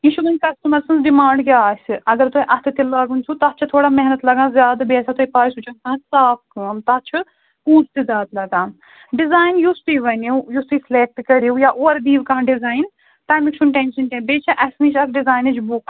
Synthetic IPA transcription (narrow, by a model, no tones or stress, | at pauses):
iʃubɐnʲkɐsʈɐmɐɾsɐnsɖimaːɳɖkiaːsʲɨɐɡɐɾt̪uʔɐt̪ʰɨt̪ilaːɡunʲsʰut̪ɐt͡ʃʰɐt̪ʰoːɽaːmɛɦnɐt̪lɐɡãːzʲjaːd̪biesat̪oipaːjsut͡ʃʰɐnkãːsaːpkəmt̪ɐt͡ʃʰu | kũːst̪izʲaːd̪lɐɡãːn | ɖizaːjnjust̪uiʋɐnejust̪uiːsleːk̚ʈkɐɾiujaːʔoːɾd̪iːʋkãːɖizaːjn | ʈ̪ɐːmikʃʰunʈẽːnʃɐnkʲẽbeːt͡ʃʰɐʔɐsniʃɐkʰɖizaːjnɐd͡ʒbuk